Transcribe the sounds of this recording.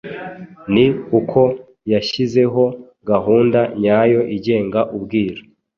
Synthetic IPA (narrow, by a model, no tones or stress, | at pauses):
nikukʰo̞ | jaʃize̞ɦo̞ | ɡaɦuːndaɲajo̞ʔiɟe̞ːŋɡaʔubɡiːɾa